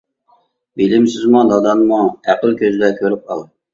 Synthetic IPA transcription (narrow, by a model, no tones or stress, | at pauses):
bilɪmsɪzmud̪ɑd̪ɑnmuæqəlˠkʲøzɪd̪ɛkʲʰøɾyp̚qʰɑlˠɨ